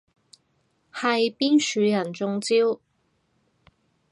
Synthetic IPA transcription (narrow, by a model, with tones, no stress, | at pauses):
hɐ˨jpiː˥nsyː˨˧jɐ˨˩nt͡sʊ˧ŋt͡siː˥w